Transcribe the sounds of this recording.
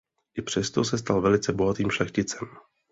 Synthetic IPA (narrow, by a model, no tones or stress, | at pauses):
ʔɪpr̝̥ɛst̪o̞sɛst̪alvɛlɪt͡sɛboɦat̪iːmʃlɛxcɪt͡sɛm